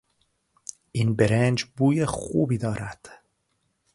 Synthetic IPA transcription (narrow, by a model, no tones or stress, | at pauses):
ʔiːnbeɾend͡ʒbuːjexṵːbiːd̪ɒːɾæd̪̥